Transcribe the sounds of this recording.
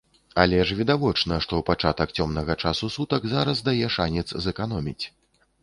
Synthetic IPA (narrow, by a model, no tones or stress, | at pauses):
alʲɛʂvʲid̪avɔt͡ʂnɐʂt̪ɔwpat͡ʂat̪ɐk̚t͡sʲɔmnɐɣɐt͡ʂasusut̪ɐɡzaɾɐzd̪ajɛʂanʲɛt̪szɛkanɔmʲit͡sʲ